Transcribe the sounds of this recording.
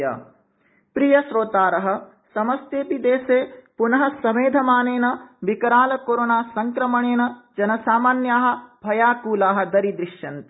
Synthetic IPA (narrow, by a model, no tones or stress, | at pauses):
a̰ː | pɾijɐʃɾoːt̪aːɾɐɦɐ̆ | sɐmɐst̪eːpid̪eːseːpunɐɦɐ̆sɐmeːd̪ʱɐmaːneːnɐʋikɐɾaːlɐkoːɾonaːsɐŋkɾɐmɐɳeːnɐd͡ʒɐnɐsaːmaːnjaːɦɐ̆b̥ʱɐjaːkuːlaːɦɐ̆d̪ɐɾid̪ɾiʂjɐnt̪i